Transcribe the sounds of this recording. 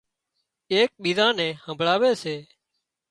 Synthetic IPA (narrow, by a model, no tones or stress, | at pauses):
eːk̚ɓiːzãːnɛ̃ːhəmbʱɭaːʋeːseː